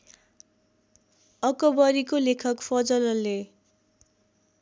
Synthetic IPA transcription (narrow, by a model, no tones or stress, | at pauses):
ʌkʌbʌɾikolekʰʌkpʰʌd͡zʌlʌle